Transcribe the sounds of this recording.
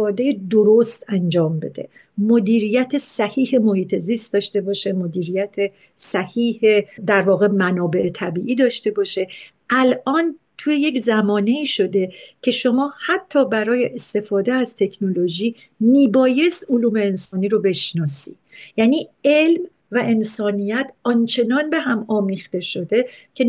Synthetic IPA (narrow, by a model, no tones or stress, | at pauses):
d̪e̞jed̪oɾost̪ænd͡ʒɒːmbe̞̰d̪e̞̰ | mod̪iːɾijæt̪ʰesæhiːhemo̞hiːt̪ʰe̞zist̪̚d̪ɒːʃt̪e̞bɒːʃe̞mod̪iːɾijæt̪ʰe | sæhiːhed̪æɾvɒːɣe̞mænɒːbe̞ʔet̪ʰæbiːʔiːd̪ɒːʃt̪e̞bɒːʃe̞ | ʔælʔɒːnt̪ʰuːjeje̞czæmɒːne̞iːʃo̞d̪e̞cʰe̞ʃo̞mɒːhæt̪ʰːɒːbæɾɒːje̞ʔest̪e̞fɒːd̪e̞æzt̪ʰe̞cʰno̞lo̞ʒiː | miːbɒːje̞st̪oluːme̞ːnsɒːniːɾobe̞ʃnɒːsḭ̥ːjæːniːe̞lm | væʔe̞nsɒːnijæt̪ʰɒnt͡ʃʰe̞nɒnbe̞ɦæmɒːmiːxt̪e̞ʃo̞d̪e̞cʰe̞